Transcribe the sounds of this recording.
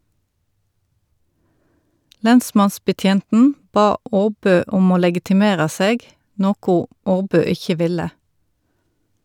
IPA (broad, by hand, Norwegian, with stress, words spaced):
ˈlɛnˌsmɑnsbəˌtjeːntn̩ ˈbɑː ˈoːˌbøː ˈʊm ˈoː lɛɡɪtɪˈmeːʁɑ ˈseːɡ ˈnoːkʊ ˈʔoːˌbøː ˈɪçə ˈʋɪlə